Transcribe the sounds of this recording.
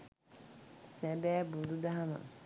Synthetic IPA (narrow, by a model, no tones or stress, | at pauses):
sæbæːbud̪ud̪aɦamɐ̰